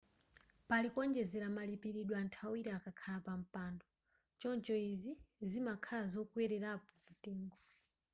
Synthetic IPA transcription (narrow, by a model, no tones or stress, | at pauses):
palikwɔnd͡ʒɛzɛɾamalipiɾiɗwantʰawiɾɛakakʰalapam̩paːndɔ | t͡ʃɔnt͡ʃɔizizimakʰalazɔkwɛɾɛɾapɔmutiːŋɡɔ